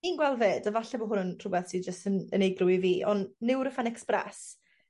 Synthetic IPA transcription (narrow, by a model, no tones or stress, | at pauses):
niːnɡwɛlˠveːdəvaɬɛbɔɦʊnənʰr̥ʊbɛθsid͡ʒəstənənejɡrʊwiviːʔɔ̰nnɪwɾəfanɛksprɛ̰s